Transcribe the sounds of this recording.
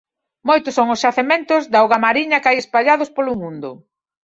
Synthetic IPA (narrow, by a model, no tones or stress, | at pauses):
mojt̪ʊsːoŋʊsʝaθemẽnt̪ʊzðaoɣamaɾiɲɐkajespaʎaðʊspolʊmũnd̪ʊ